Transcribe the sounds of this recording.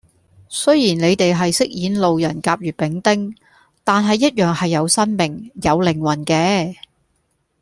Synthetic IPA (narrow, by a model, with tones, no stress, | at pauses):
sɵ˥ɥjiː˨˩nle˨˧jt̪e˨jɦɐ˨jsɪ˥k̚jiː˨˥nlo˨wjɐ˨˩nkaː˧p̚ɥyː˨˩t̚pɪ˨˥ŋt̪ɪ˥ŋ | t̪aː˨nɦɐ˨jːɐ˥t̚jœː˨ŋhɐ˨jːɐ˨˧wsɐ˥nmɪ˨˩ŋjɐ˨˧wlɪ˨˩ŋwɐ˨˩nkɛː˧